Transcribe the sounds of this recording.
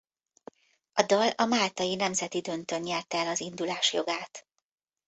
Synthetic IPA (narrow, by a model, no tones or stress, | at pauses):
ɒd̪ɒlɒmaːlt̪ɒjinɛmzɛt̪id̪ø̞nt̪ø̞nɲɛlt̪ɛlɒzind̪ulaːʃjo̞̰ɡaːt̪